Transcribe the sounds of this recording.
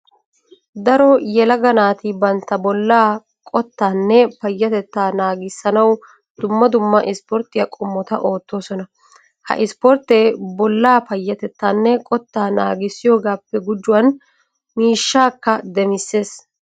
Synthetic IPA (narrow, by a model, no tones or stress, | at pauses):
d̪ɐɾɔjɛlɐɡɐnaːt̪ɪbɐnt̪ːɐbɔlːaː | kʼɔt̪ːaːnːɛpɐjːɐt̪ɛt̪ːaːnaːɡɪsːɐnɐw | d̪̥ʊmːɐd̪ʊmːɐʔɪspɔɾt̪ːɪjɐkʼʊmːɔt̪ɐʔo̞ːt̪ːo̞ːsɔnɐ | hɐ̰ʔɪspɔɾt̪ːeːbɔlːaːpɐjːɐt̪ɛt̪ːaːnːɛkʼɔt̪ːaːna̰ːɡɪsːɪjo̞ːɡaːpːɛɡʊd͡ʒːʊwɐn | miːʃːaːkːɐd̪ɛmɪsːe̞ːs